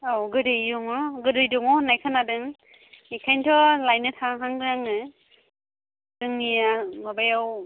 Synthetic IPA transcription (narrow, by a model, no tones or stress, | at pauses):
awɡɯdɯjjuŋɔɡɯdɯjduŋɔnajkʰanadɯŋ | ikʰajntʰɔlajnɯtʰaɦaŋɾaŋɯ | d̥ɯŋnijamabajaw